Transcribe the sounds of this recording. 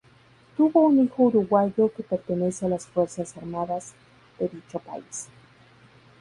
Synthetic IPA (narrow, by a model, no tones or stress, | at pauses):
t̪uβounixouɾuɣwaʝokepeɾt̪ene̞sealasfweɾsasaɾmaðaz | d̪eðit͡ʃopa̰is